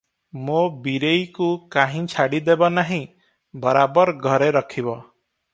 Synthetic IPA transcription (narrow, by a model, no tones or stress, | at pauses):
mobiɾejkukaɦĩt͡ʃʰaɽid̪ebɔnaɦĩ | bɔɾabɔɾɡʱɔɾeɾɔkʰibɔ